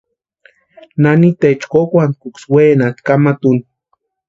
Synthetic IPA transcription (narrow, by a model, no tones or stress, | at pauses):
nanit̪et͡ʃkokʷankuksweːnat̪kamat̪un